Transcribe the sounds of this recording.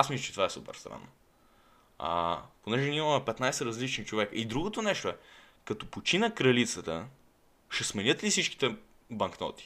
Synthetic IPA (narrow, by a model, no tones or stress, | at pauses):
asmisˠət͡ʃɛt̪vaɛsupə̰ɾst̪ɾa̰nː | ɐ̰ponɛʒɛnʲimɐmɛpɛt̪najsɛɾɐzlit͡ʃnit͡ʃovɛkəid̪ɾuɡot̪onɛʃt̪oɛkɐt̪ɔpot͡ʃinəkɾɐlit̪sət̪ə̰ | ʃɛsmɛnʲɤt̪lisit͡ʃk̟i̥t̪ɛ | bɐŋknɔ̰t̪i̥